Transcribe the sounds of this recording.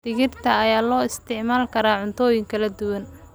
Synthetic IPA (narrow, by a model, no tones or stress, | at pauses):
d̪̥ɪɣɪrt̪ʰɐɐjaːlɔːɪst̪ʰɪʕmaːlkʰɐɾaːʕʊnt̪ʰɔːjɪŋkʰɐlɐd̪ʊwɐn